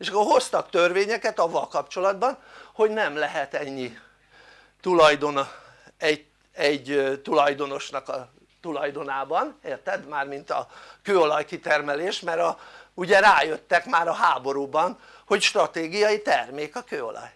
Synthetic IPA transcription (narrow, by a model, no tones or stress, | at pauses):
eːʃɒkːo̞rho̞st̪ɒkt̪ø̞rveːɲɛkɛt̪ɒvːɒlkɒpt͡ʃo̞lɒd̪bɒnho̞ɟnɛmlɛɦɛt̪ɛɲːi | t̪ulɒjd̪o̞n | ɛɟ | ɛɟt̪ulɒjd̪o̞no̞ʃnɒkɒ | t̪ulɒjd̪o̞naːbɒneːrt̪ɛd̪maːrmint̪ɒ̰køːo̞lɒjkit̪ɛrmɛleːʃmɛɾɒuɟɛɾaːjøt̪ːɛkmaːɾɒɦaːbo̞ɾuːbɒn | ho̞cʃt̪rɒt̪eːɡijɒjit̪ɛrmeːkɒkøːo̞̰lɒ̰j